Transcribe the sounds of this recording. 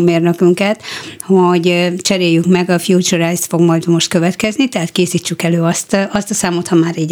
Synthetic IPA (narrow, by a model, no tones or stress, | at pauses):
meːrnøkyŋkɛt̪hoɟt͡ʃɛɾeːjːyŋkmɛɡɒfjuːt͡ʃuɾajst̪fo̞ɡmɒjd̪mo̞ʃt̪̚kø̞vɛt̪kɛznit̪ɛɦaːt̪̚keːsiːt͡ʃːykɛløːɒst̪ɒst̪ɒsaːmo̞t̪hɒmaːɾiːɟ